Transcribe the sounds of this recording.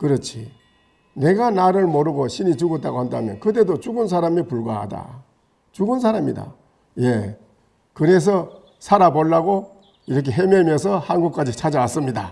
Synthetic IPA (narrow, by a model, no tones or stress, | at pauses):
kɯɾʌt͡ɕʰi | ne̞ɡanaɾɯɭmoɾɯɡoɕʰinit͡ɕuɡʌt͈aɡohandamjʌnkɯde̞dot͡ɕuɡɯns̬ʰaɾamipuɭɡwaɦa̰da̰ | t͡ɕuɡɯnsʰaɾamɲida̰ | je̞ | kɯɾe̞s̬ʰʌ | sʰaɾaboɭːaɡo | iɾʌk̬ʰe̞ɦememjʌnsʰʌhanɡuk̚k͈ad͡ʑit͡ɕʰad͡ʑaas͈ɯmɲida